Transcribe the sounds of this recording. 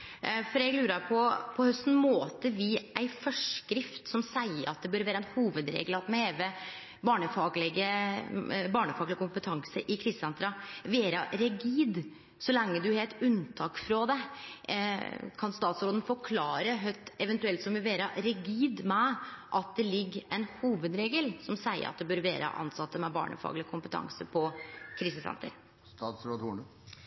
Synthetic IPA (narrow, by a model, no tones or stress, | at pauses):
fɔɾɛɡlʉːɾɑɾpʰɔpʰɔhœst̪n̩moːt̪əɾʋɪʔæɪfœʂkɾɪft̪sɔmsæɪəɾɑt̪̚d̪ɛbœːɾʋæːɾəɛnhuːʋəd̪ɾḛːɡlɑt̪mɛheːʋə | bɑːɳəfɑːɡlɪɡə | bɑːɳəfɑːɡlɪɡəkʊmpət̪ʰɑŋsəʔɪkʰɾɪstːɛnt̪ɾɑʋeːɾɑɾɛɡiːd̪ | sɔlɛŋːəd̪ʉhɛːt̪ʉnt̪ʰɑːkfɾɑd̪ɛ | kʰɑnst̪ɑːt̪sɾoːd̪ən̩fɔɾkʰlɑːɾəɦœʏt̪ɛʋɛnt̪ʉɛlt̪sɔmʋɪʋeːɾɑɾɛɡiːd̪mɛʔɑt̪̚d̪ɛlɪɡːɛnhuːʋəd̪ɾeːɡəlsɔmsæɪə̰ɾʔɑ̰t̪̚d̪ɛbøːɾʋḛːɾə̰ʔɑ̰nsɑt̪ːəmɛbɑ̰ːɳə̰fɑ̰ːɡlɪkʰʊmpət̪ʰɑ̰ŋsəpʰɔkʰɾiːsəsɛ̰nt̪ʰə̰ɾ | st̪ɑːt̪sɾoːd̪uːɳ